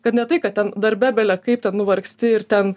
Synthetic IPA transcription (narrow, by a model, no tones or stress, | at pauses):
kɐt̪nʲɛt̪ɐɪkɐt̪t̪ʲɛnd̪ɐɾʲbʲæːbʲɛlʲɛkɐɪp̚t̪ʲɛnnʊʋɐɾksʲt̪ʲɪɪɾt̪ʲɛn